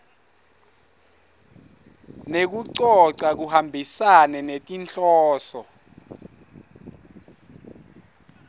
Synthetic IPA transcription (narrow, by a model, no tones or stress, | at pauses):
nek̬uǀɔǀak̬uhambʱisanɛnetʼint͡ɬʼɔːsɔ